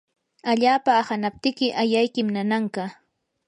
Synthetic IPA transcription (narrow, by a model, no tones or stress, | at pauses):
aʎaːpaːhanap̚t̪ɪkɪʔajajkɪmnanaŋkɑ